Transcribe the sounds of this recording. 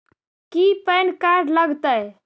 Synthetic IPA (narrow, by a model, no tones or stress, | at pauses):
kipənkaɾɖləɡt̪əj